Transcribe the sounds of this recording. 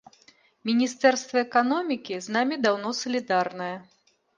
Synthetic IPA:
mʲinʲist̪ɛrst̪vɐɛkanɔmʲikʲiznamʲid̪awnɔsɐlʲid̪arnɐjɐ

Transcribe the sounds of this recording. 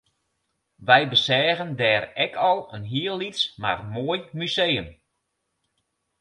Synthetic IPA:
ʋɛjbəsɛːɣəndɛːrɛkʰɔlˠənɦiəlˠːitsma̰rmoəjmysejəm

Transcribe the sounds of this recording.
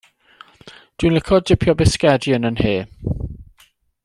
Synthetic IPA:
d̥winlɪkʰɔdɪpʰjɔbɪskɛdjənənheː

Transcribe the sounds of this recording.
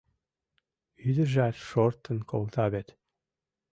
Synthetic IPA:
yd̪ə̆ʒæt̪ʃoɾt̪ːə̆nkʰolt̪ɑβet̪

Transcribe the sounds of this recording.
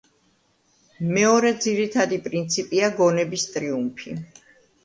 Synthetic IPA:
mɛɔɾɛd̪ziɾit̪ʰad̪ipʼɾint̪sʰipʼiaɡɔnɛbist̪ʼɾiumpʰi

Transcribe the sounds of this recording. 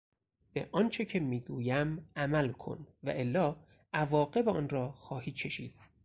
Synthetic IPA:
b̥ḛʔɒːnt͡ʃʰe̞cʰe̞miːɡuːjæmʔæmælkʰo̞̰nvæ̰ʔe̞lːɒː | ʔævɒːɢe̞beɒːnɾɒːxɒːhiːt͡ʃʰkʰe̞ʃiːd̪̥

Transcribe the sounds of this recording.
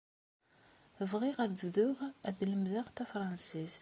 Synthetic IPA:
vʁiʁæðvðʊʁæðləmðaʁt̪æfɾˤɑnsis

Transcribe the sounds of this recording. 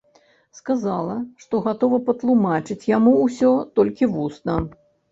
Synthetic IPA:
skazalˠɐʂt̪ɔɣat̪ɔvɐpɐt̪lˠumat͡ʂɨt͡sʲjamuːsʲɔt̪ɔlʲkʲivusnɐ

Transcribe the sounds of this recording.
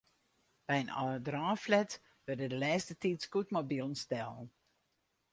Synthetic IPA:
b̥ɛjənɔ̰ədraːflɛt | ʋørdədəlɛːstətitskutmobilˠən̩stɛlˠn

